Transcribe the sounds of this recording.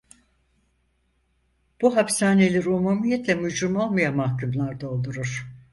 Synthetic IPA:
b̥uɦapsaːnelʲiɾumumijɛt̪lʲɛmud͡ʒɾumo̞lˠmajamahkʰumlˠaɾd̪aolˠd̪uɾuɾ̥

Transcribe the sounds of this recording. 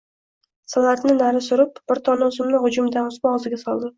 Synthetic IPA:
salat̪nɪnaɾɪsʊɾɪp̚b̥ɪɾt̪ʰɒnɪʊzɪmnɪhʊd͡ʒʊmɪd̪anʊsmaɒzɪɡʲasɒlˠd̪ɪ

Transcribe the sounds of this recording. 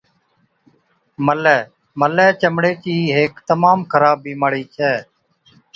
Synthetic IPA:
məlɛː | məlɛːt͡ʃəmɽeːkiːɦeːkt̪əmaːmkʰəɾaːbiːməɽiːt͡ʃʰɛː

